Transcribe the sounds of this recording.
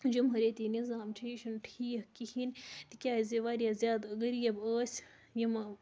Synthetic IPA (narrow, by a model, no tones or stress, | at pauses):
d͡ʒɐmɦɐɾeːt̪iːnizaːmt͡ʃʰijiʃɐnʈʰiːhkihint̪ikʲjaːizʲiʋaːɾijazʲjaːd̪əɡɐɾjɐbəːsʲ | jimɐ